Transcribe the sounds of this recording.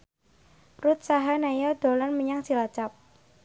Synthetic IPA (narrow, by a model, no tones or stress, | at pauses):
rut̪̚saɦanajɔd̪̥olɔnməɲaŋsilat͡ʃap̚